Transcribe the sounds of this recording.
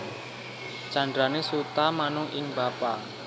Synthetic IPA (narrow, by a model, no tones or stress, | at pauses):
t͡ʃa̤ɳdɾanesut̪amanʊʔɪŋb̥apa